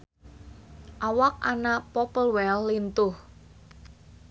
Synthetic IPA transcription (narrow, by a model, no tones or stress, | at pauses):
ʔawak̚a̰napɔpəlwɛlːint̪ʊh